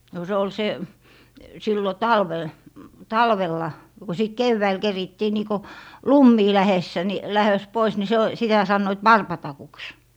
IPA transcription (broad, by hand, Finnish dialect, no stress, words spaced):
no se ol se silːo tɑlʋel tɑlʋelːɑ no ko sit keʋːæil keritːiː niː ko lumːiː læhesːæ ni læhøs pois ni se o sitæ sɑnːoit wɑrpɑtɑkuks